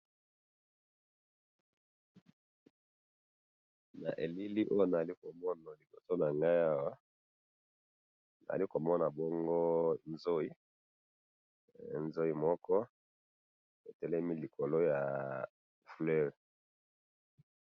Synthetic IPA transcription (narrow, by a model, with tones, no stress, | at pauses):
na̰˨ʔe˨li˦li˦ʔo˦jo˦na˨li˦ko˨mɔ˦na˨li˨ɡo˨so˦na˨ŋɡa˦ja˦wa˦ | na̰˨a̰˨i˦ko˨mɔ˦na˨bo˦ŋɡo˦nzo˦i˦˨ | nzo˦i˦mɔ˦kɔ˦ | e˨tɛ˦lɛ˦mi˦li˨ko˨lo˦ja˨ | flɛ˦ʁ